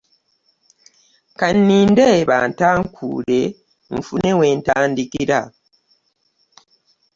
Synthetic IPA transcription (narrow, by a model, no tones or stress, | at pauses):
kanːiːndeβa̰ːntaːŋkʰṵːle̞ | ɱ̩fune̞we̞ːntaːndikiɾa